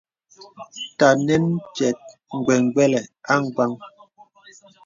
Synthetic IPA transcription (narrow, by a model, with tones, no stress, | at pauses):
ta˨nɛ˦nt͡ʃɛ˨t̚ŋ̩˨ɡwɛ˨ŋ˨ɡ͡bɛ˦lɛ˨a˦ŋ̩˦˨ɡa˦ŋ